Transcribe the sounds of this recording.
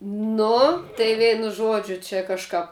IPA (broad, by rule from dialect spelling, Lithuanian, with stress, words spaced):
ˈnʊ tɐɪ ˈʋʲɛɪnʊ ˈʒuɔd͡ʒʲʊ t͡ʃʲɛ kɐʃˈkɐp